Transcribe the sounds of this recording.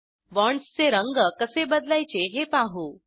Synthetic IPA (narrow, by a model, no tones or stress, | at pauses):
ʋɔɳst͡seɾəŋɡəkəsebəd̪lajt͡ɕeɦepaɦu